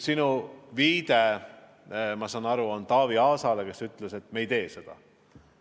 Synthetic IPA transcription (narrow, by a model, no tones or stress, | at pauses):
sinuviːd̪̥e | mɑsɑnɑɾuo̞nt̪ɑːviɑːsɑleke̞syt̪lese̞t̪mejt̪e̞ːse̞d̪̥ɑ̰